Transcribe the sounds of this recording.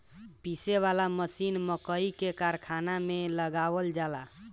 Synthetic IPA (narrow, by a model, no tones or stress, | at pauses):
piseβalaməsinməkəikekaɾkʰanameləɡaβəld͡ʒala